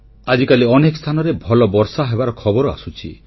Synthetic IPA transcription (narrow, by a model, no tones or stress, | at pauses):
ad͡ʒikaliɔnekst̪ʰanɔɾebʱɔlɔbɔɾsaɦebaɾɔkʰɔbɔɾɔa̰sut͡ʃʰi